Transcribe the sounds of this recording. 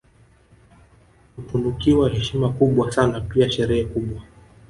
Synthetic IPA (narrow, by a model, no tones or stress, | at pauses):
kupunukiwahɛʃimakuɓwasanapiaʃɛɾɛhɛkuɓwa